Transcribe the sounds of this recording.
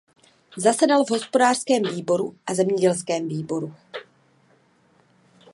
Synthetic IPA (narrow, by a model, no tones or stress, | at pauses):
zasɛdalvɦo̞spo̞daːr̥skɛːmviːbo̞ɾuʔazɛmɲɛɟɛlskɛːmviːbo̞ɾu